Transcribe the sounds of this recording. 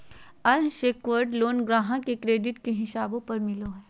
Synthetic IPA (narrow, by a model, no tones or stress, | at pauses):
ɐɾʃeːkʋəɾɖloːnɡɾaːɦãkekɾeːɖɪʈkeɦɪʃaːbõpɐɾmɪloɦɛː